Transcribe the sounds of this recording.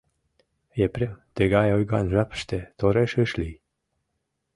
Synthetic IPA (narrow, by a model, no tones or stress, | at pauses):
jepɾemt̪eɡɑjojɡɑnʒapʃt̪et̪oɾeʃəʃli